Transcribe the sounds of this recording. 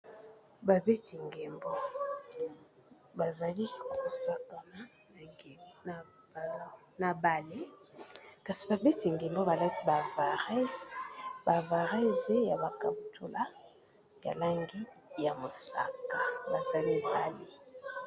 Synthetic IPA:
ba˨be˦ti˨ŋɡɛ˨mbo˦ | ba˨za˨li˦ko˨sa˦ka˨na˨˦ | na˨ŋɡe˨˦n˨˦ | na˨ba˨le˦ | ka˨si˨ba˨be˦ti˨ŋɡe˨mbo˦ba˨la˦ti̥˦ba˨va˨ʁɛ˦ | ba˨va˨ʁɛ˦ze˦ja˨ba˨ka˨bu˨tu˦la˦ | ja̰˨la˦ŋɡi˦ja˨mo˨sa̰˨ka˨ba˨za˨li˦ba˦li˦

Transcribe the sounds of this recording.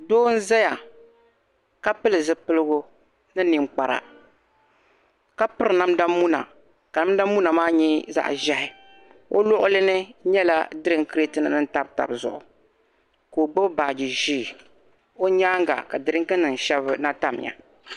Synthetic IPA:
doː˦n̩˦zɛ˦ja˨ | ka˦pɨ˦lɨ˨zɨ˨pɨ˦lɨ˦ɡʊ˦ | nɨ˦ni˨ŋ͡mk͡pa˨ɾa̰˨ | ka˦pɨ˦ɾɨ˨na˦m˦da˦mu˦na̰˨ | ka˨na˦m˦da˦mu˦na˨maː˦ɲɛ˦za̰˦ʔʒɛ˦hɪ˨ | o̰˦lʊ˦ʔʊ˦lɨ˦nɨ˦ɲɛ˦la̰˦dɨ˦ɾɨ˦ŋkɨ˦ɾe˦tɨ˦nɨ˨nɨ˦n̩˦ta˦b̚ta̰˨bzʊ̰˨ʔʊ̰˨ | ko˨ɡ͡bo˦ba˨d͡ʒi˨ʒiː˦˨ | o˦ɲaː˦ŋ˦ɡa̰˨ka˨dɨ˨ɾɨ˦ŋ˦kɨ˦nɨ˨n̩˨ʃɛ˦bɨ˦na˦ta˦˨m˨ja̰˨

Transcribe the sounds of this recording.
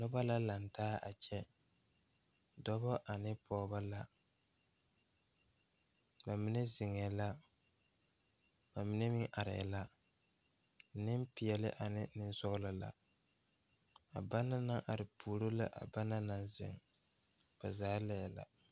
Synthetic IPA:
nʊ˦ba˦la˦la˨ntaː˦ʔa̰˨t͡ʃɛ˦ | dɔ˦bɔ˦ʔa˨nɪ˦pʰɔː˨˦ba˦la˦ | ba˨mɪ˦nɛ˦zɪ˨ŋɛ˨la˦ | ba˨mɪ˦nɛ˦mɪ˦ŋʔa˨ɾɪ̰˨la˦ | nɪ˦m˦pɪ˨jɛ˨lɪ̰˦ʔa˨nɪ˦nɪ˦n˦sʊ˦ɣla˦la̰˨ | a̰˨ba˦nːa˦na˦ŋʔa˨ɾɪ˨pʰuː˨ɾo˦la̰˦ʔa̰˨ba˦na˦na˦nzɪ̰˨ŋ | b̥a˨zaː˦lɛ˦˨la̰˨

